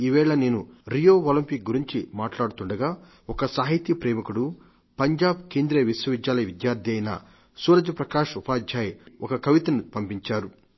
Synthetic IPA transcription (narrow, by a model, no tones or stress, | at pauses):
iːʋɛːɭɐneːnuɾijoːʋɐlɐmpik̚ɡuɾiɲt͡ʃimaːʈlaːɽut̪uɳɖɐɡaː | ɔkɐsaːɦit̪jipɾeːmɐkuɽu | pɐɲd͡ʒaːbkeːnd̪ɾeːʋiswɐʋid̪jaːlɐjɐʋid̪jaːɾd̪ʱjɐjnɐ̰ | suːɾɐd͡ʒɐpɾɐkaːʂupaːd̪ʱjaːjɔkɐkɐʋit̪ɐnupɐmpiɲt͡ʃaːɾu